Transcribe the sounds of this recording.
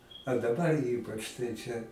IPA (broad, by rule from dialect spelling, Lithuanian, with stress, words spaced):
ɐ dɐˈbɐr ˈiːpɐt͡ʃ tɐɪ ˈt͡ʃʲɛ